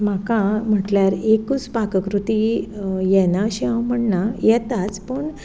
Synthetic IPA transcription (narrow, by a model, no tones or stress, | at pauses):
m̤akam̤əʈljaɾekut͡spakəkɾut̪ijɛnaəɕiãwm̤əɳnajɛt̪at͡spəɳ